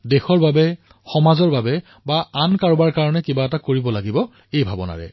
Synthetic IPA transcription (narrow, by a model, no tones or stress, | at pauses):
dexɔɹbabɛ | xɔmazɔɹbabɛ | baankaɹbaɹkaɹɔnɛkibaɛtakoɹibɔlaɡibɔ | ejbʱabɔna̰ɹɛ̰